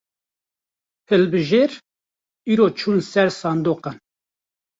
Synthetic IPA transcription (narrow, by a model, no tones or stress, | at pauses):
hɨlbɨʒeːɾ | iːɾoːt͡ʃʰuːnsɛɾsɑːnd̪oːqɑn